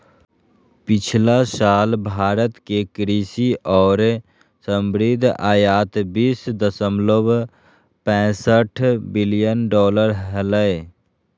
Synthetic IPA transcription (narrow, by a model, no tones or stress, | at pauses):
pɪt͡ʃʰlasaːlbʱaːɾət̪kekɾiːsiʔɔːɾ | səmbɾɪd̪ʱaːjaːt̪biːsd̪əsəmlob | pɛ̃ːsəʈʰbɪlijənɖɔːləɾɦələj